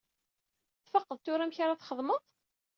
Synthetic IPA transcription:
θfɑqːəðˤt̪ʊɾæmçaɾaθχəðˤməðˤ

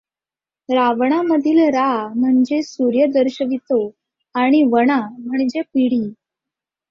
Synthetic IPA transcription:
ɾaʋɳ̃aməd̪ʱiːlɾam̤əɳd͡zesuɾjəd̪əɾɕəʋit̪o | aɽ̃iʋəɽ̃am̤əɳd͡ʑepiɽiː

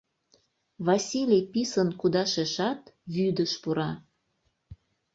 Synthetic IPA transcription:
βɑsʲilʲijpisənkud̪ɑʃeʃɑt̪βyd̪əʃpuɾɑ

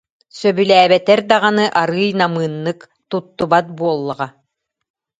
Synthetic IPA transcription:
sœbylæːbɛt̪ɛɾd̪aʁanɯʔaɾɯːjnamɯːnːɯk | t̪ut̪ːubat̪̚buɔlˠːaʁa

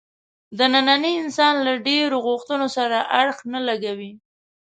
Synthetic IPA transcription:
d̪ənananiɪnsɑnlaɖeɾoɣoxt̪ənosaɾaʔaɽxnalaɡawi

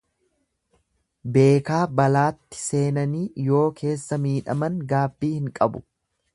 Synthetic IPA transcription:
be̞ːkaːbɐlaːt̪ːɪ̥se̞ːnɐniːjo̞ːkʰe̞ːsːɐmiːᶑɐ̰mɐŋɡaːbːiːhɪŋkʼɐbʊ̰

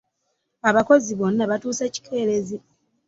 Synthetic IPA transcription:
aβako̞ziβo̞nːaβatuːse̞ːci̥kʰe̞ːɾe̞zi

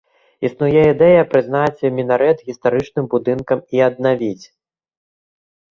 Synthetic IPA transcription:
isnujɛid̪ɛjɐpɾɨznat͡sʲimʲinaɾɛt̪ɣʲist̪aɾɨt͡ʂnɨmbud̪ɨnkɐmiɐd̪̚navʲit͡sʲ

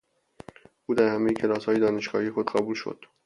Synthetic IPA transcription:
ʔuːd̪æɾhæmejecʲʰe̞lɒːshɒːjed̪ɒːneʃɡɒ̰ːhijexod̪ɢæbuːlʃo̰d̪̥

